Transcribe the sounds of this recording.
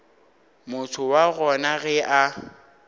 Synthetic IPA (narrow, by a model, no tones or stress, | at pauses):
mʊtʰʊwaɣɔnaɣɛʔa